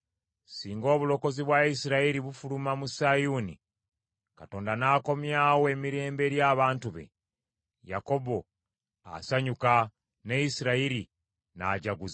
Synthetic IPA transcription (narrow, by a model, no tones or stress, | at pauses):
siːŋɡo̞ːβulo̞ko̞ziβwaisiɾaiɾiβufulumamusajuni | kato̞ːndanaːko̞mjawoe̞miɾe̞ːmbe̞ɾjaːβaːntuβe̞̰ | ja̰ko̞bo̞ | a̰saɲuka | neisiɾaiɾi | na̰ɟaɡuz